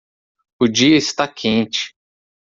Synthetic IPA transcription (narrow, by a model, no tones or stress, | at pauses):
ʊd͡ʒiɐɪst̪akʰẽnt͡ʃɪ̥